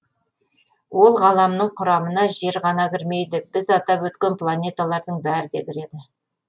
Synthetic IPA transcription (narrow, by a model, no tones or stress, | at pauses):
wo̞lˠʁɑlˠɑmnəɴqʰʊɾɑmənɑʒe̞ɾʁɑnɑkʲɪɾme̞jd̪ɪb̥ɪzɑt̪ɑpwɵt̪kʲe̞nplˠanʲet̪alˠɑɾd̪əɴbæɾɪd̪e̞kʲɪɾe̞d̪ɪ